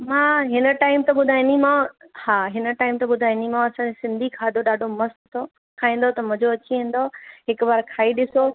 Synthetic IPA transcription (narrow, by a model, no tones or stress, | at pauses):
mãːɦɪnə̆ʈaːɪmt̪ɐɓʊd̪ʱaːĩnd̪imã | haːɦɪnəʈaːɪmt̪ɐɓʊd̪ʱaːĩnd̪ʱimãɐsãːd͡ʑesɪ̃nd̪ʱikʰaːd̪ʱoɗaːɖʱomɐst̪t̪ʰo | kʰaːĩːn̆d̪ot̪ɐmʊ̃ɦd͡ʑoɐt͡ɕiẽːn̆d̪oɦɪkbaːɾkʰaːiɗɪso